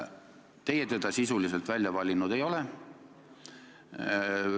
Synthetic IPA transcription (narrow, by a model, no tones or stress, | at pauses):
t̪e̞jet̪e̞d̪̥ɑsisulis̬elt̪vælʲjɑvɑlʲinud̪̥e̞jo̞le